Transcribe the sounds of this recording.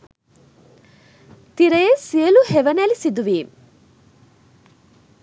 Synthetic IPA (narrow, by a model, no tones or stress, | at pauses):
t̪iɾəjesiəluheʋɐnælisid̪uʋiːm